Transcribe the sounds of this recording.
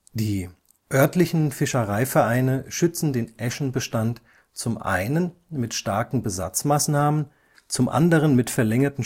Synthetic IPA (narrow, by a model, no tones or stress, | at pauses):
d̥iː | ʔœɐtlɪçn̩fɪʃəʁaɪfɛɐʔaɪnəʃʏt͡sn̩deːnʔɛʃn̩bəʃtant | t͡sʊmʔa̰ɪnənmɪtʃtaɐkŋ̩bəza̰t͡smaːsnaːmən | t͡sʊmʔa̰ndəʁənmɪtfɛɐlɛŋɐtn̩